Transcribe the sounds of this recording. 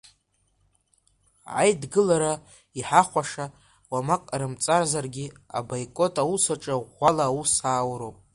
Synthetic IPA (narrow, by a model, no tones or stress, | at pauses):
ʕa̰jdɡɨlaɾa | iħaχʷaʂa | wamakʼaɾɨmt͡sʼarzarɡʲia̰bajkʼo̞tʼawusaʈ͡ʂʼaʁʷalaːwusaːwɾopʼ